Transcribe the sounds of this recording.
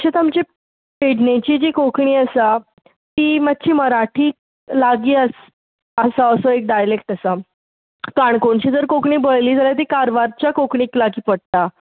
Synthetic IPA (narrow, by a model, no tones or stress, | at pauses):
əɕet̪amt͡ɕe | peɽnẽt͡ɕiːd͡ʑikokɳiːəsa | t̪iːmat̪̚ːɕiːməɾaʈʰiːk̚ | laɡiːəs | əsaəsoek̚ɖajlekʈəsa | kaɳkoɳɕid͡zəɾkokɳiːbəjliːd͡zaljat̪̬iːkaɾʋaɾt͡ɕjakokɳiːklaɡiːpəɽ̚t̪a